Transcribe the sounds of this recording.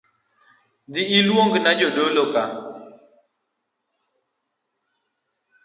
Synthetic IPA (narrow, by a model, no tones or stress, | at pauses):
d̪ɪilwoŋɡnad͡ʒoɗoloka